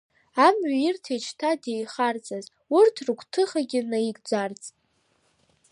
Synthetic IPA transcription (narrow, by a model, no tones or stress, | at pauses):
amɥairtʰet͡ʃʰtʰadejχart͡sʼaz | urtʰrɨkʷʰʼtʰɨχaɡʲɪnaiɡd͡zart͡sʼ